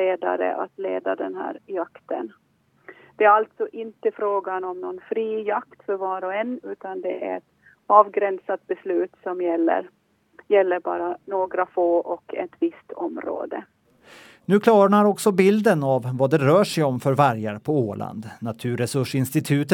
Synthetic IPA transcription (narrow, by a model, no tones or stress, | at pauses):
eːd̪a̰ɾə̰ʔa̰t̪leːd̪ad̪ɛnɦæ̰ːɾjakt̪ən | d̪̥ɛæɾalt̪sɔʔɪnt̪əfɾoːɡanɔmnɔnfɾiːjakt̪fœɾvɑːɾɔɛnːʉ̟ːt̪and̪ɛæ̰ɾɛt̪ | ɑːvɡɾɛnsat̪̚bɛslʉ̟ːt̪sɔmjɛlːə̰ɾ | jɛlːəɾbɑ̰ːɾanoːɡɾafoːʔɔkɛ̰t̪vɪst̪ʰɔmɾo̰ːd̪ə̰ | nʉ̟ːkʰlɑːɳaɾɔksɔbɪld̪ənavvad̪ɛɾœːʂɛjɔmfœɾvaɾjaɾpʰɔoːlʔa̰nd̪nat̪ʰʉ̟ːɾɛsɵʂɪnst̪ɪt̪ʰʉ̟ːt̪